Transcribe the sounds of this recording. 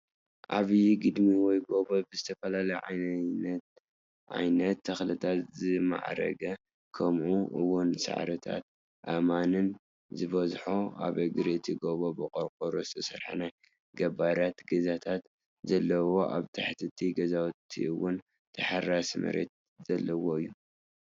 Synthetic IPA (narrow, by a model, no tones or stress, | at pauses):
ʔaβijɡɨd̪miwɔjɡo̞βobɨzɨt̪ʰɐfɐlalɐjʕa̰jnt̪ | ʕa̰jnɐt̪ʰːɐxlɨt̪ʰat̪zɨma̰ʕɾɐ̰ɡɐ | kʰɐmʔuʔɨwːʊnsa̰ʕɾɨt̪ʰa̰t̪̚ | ʔamanɨn | zɨβɐzħoa̰βɐɡɨɾɨt̪ʰiɡoβobɨqʼoɾkʼoɾozɨ̥t̪ʰɐsɐɾħa̰naj | ɡɐbaɾat̪ɡɐzat̪ʰat̪ | zɐlːɐwo̞ʔa̰βt̪ʰɐħt̪ʰɨt̪ʰiɡɐzawt̪ʰḭɨwʊn | t̪ʰɐħarasmɨ̰ɾḛt̪̚ | z̥ɐlːɐwo̞ɨjːu